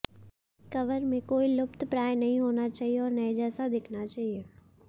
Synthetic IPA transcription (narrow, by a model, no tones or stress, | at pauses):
kɐʋəɾmẽkoːilʊpt̪pɾaːjnɐɦĩɦoːnat͡ʃaːɦieɔːɾnɐẽd͡ʒɛːsad̪ɪkʰnat͡ʃaːɦieː